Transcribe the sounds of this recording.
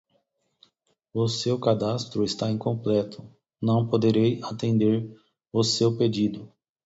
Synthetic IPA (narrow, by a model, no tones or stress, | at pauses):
ʊsewkad̪ast̪ɾʊest̪aẽkõmplɛt̪ʰʊ̥ | nɐ̃w̃pod̪eɾejat̪ẽnd̪eɾ | ʊsewped͡ʒid̪ʊ